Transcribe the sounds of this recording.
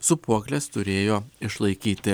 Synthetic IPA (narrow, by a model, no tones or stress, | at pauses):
sʊpuɔklʲest̪ʊɾʲeːjoːɪʃlˠɐɪkʲiːt̪ʲɪ